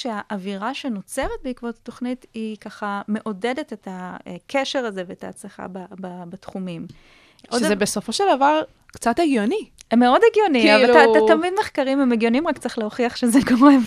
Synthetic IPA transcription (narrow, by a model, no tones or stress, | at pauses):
ʃeaʔaviʁaʃeno̞t͡se̞ʁet̪̚beikvot̪ato̞χnitikaχame̞ʔo̞de̞de̞tetakʰeʃe̞ʁazeveːta̰ːt͡sleχa̰bababatχumim | ʔodʃzebeso̞fo̞ʃeld̪avaʁ | kt͡sateɡjonimeo̞deɡjo̞niavaatatamidmeχkaʁimemeɡjo̞nimʁakt͡saʁeχleoχiaχʃezeɡamʁev